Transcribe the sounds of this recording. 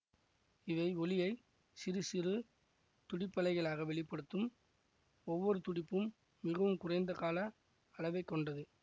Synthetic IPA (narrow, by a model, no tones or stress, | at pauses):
ɪʋɐɪɔlɪjɐɪ | sɪɾɯsɪrɯ | t̪ʊɽɪpːɐlɐɪɣɐɭaːɣɐʋɛɭɪpːɐɽɯt̪ːɯm | ɔʋːɔɾɯt̪ʊɽɪpːɯmː | ɪɣɐʋɯmkʊrɐɪnd̪ɐkaːlɐː | ɭɐʋɐɪkːɔɳɖɐðɯ